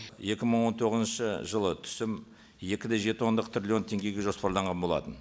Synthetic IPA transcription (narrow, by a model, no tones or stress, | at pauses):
je̞kʲɪməɴwo̞nt̪ʰo̞ʁəzənʃəʒəlˠət̪ʰʏ̥sɪm | je̞kʲɪd̪eʒe̞t̪əwo̞nd̪əq̚t̪rʲilʲio̞nt̪ʰe̞ŋɡʲe̞ɡʲe̞ʒo̞spɑɾlˠɑɴʁɑnbo̞lˠɑ̰t̪ən